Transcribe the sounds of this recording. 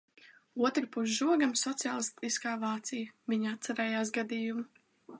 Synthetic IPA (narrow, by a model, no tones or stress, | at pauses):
uɔt̪ɾɨpuʃ̬ʒuɔɡamsɔt̪sʲaːlˠist̪iskaːvaːt̪sijəviɲat̪saɾɛːjaːs̬ɡad̪iːjumu